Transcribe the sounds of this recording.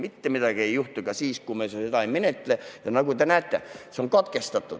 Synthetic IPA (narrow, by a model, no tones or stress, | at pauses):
mit̪ːemit̪ækeːjuht̪ukɑsiːskumesejot̪ɑimmenet̪ːelejɑnɑkut̪ænæːt̪ːæ̰seoŋkot̪kest̪ɑt̪ːu